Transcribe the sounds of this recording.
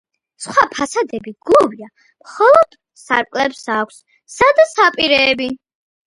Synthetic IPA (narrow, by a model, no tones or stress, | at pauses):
sχwapʰasad̪ɛbiɡuvia | mχɔlˠɔd̪̥ | saɾpʼkʼlɛpsakʷʰs | sad̪asapʼiɾɛːbi